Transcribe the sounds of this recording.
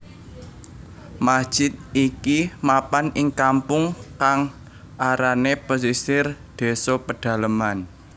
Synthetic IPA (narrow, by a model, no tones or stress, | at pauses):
masd̥ʒ̥ɪt̪̚ikimapanɪŋkampʊŋkaŋ | ʔaɾanepos̬isɪrd̪̥e̤sɔpəɖ̥ä̤ləman